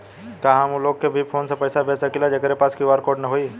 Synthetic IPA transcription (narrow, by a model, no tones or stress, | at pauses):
kãɦãmuloːɡkebʱipʰoːnsẽpəjsabʱeːsəkilad͡ʒekɾepaːskiʋaːɾkoːɖnəɦoiː